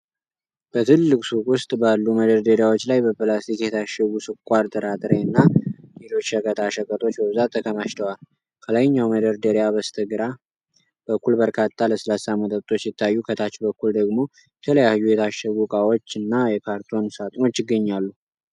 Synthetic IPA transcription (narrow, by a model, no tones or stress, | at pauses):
b̥ət̪ʰɨlːɨkʼsukʼwʊst̪ʼbalːuməd̪əɾd̪əɾijawo̞t͡ʃːlajbəpɨlast̪ikjɛt̪ʰaʃːəwusɨkʼʷːaɾt̪ʼəɾat̪ʼɨɾeɨnːale̞lo̞t͡ʃːʃəkʼət̪ʰaʃəkʼət̪ʼo̞t͡ʃːbəβɨzat̪ʰːəkʰəmaʃt̪ʰəwal | kʰələjɲːawməd̪əɾd̪əɾijaβəst̪ʰəɡɨɾa | bəkːulbəɾkʰat̪ʰːaləsɨlasamət̪ʼət̪ʼo̞t͡ʃːjɪt̪ʰːajːukʰət̪ʰat͡ʃːbəkːuld̪əɡmo̞ | jɛt̪ʰələjahɨjujɛt̪ʰaʃəwukʼawo̞t͡ʃːɨnːajɛkʰaɾt̪ʰo̞nsat̪ʼno̞t͡ʃːɪɡːəɲːalːu